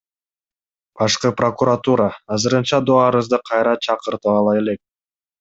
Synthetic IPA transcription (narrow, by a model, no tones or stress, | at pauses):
b̥ɑʃqɯpro̞kuɾat̪uɾɑːzɯɾɯnt͡ʃɑd̪oɑɾɯzd̪ɯqʰɑjɾɑt͡ʃʰɑqɯɾt̪ɯɑlˠɑje̞lek̚